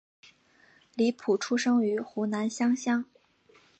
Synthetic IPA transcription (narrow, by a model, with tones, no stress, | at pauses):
li˧˥pʰu˨˩ʈ͡ʂʰu˥ʂɤ˥ŋy˧˥xu˧˥na˧˥nɕjɑ˥ŋɕjɑ˥ŋ